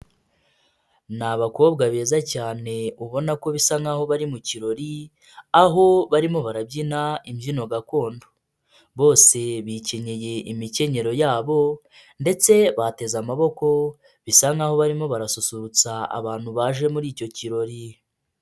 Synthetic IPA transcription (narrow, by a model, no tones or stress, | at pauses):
naβako̞ːbɡaβeːzacaːne̞uβo̞nako̞βisaŋɡaho̞βaɾimuciɾo̞ɾi | aɦo̞βaɾimo̞βaɾabɟinaimɟino̞ɡako̞ːndo̥ | βo̞ːse̞βiceɲeje̞imice̞ɲe̞ɾo̞jaːβo̞ | nde̞t͡se̞βate̞zamaβo̞ko̞ | βisaŋɡaho̞βaɾimo̞βaɾasusuɾut͡saa̰βaːn̥huβaʒe̞muɾiːco̞ciɾo̞ɾi